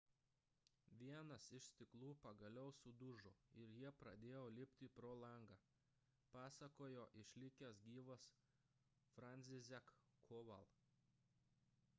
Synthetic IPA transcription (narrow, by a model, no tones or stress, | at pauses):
ʋʲiɛnɐsɪʃsʲt̪ʲɪklˠuːpɐɡɐlʲɛʊsʊd̪ʊʒoːɪɾjiɛpɾɐd̪ʲeːjoːlʲɪpʲt̪ʲipɾoːlˠɐˑŋɡɑː | pɑːsɐkoːjoːʔɪʃʲlʲɪkʲɛsɡʲiːʋos | fɾɐnʲsʲɪzʲɛk | kːʰoːʋɐlˠ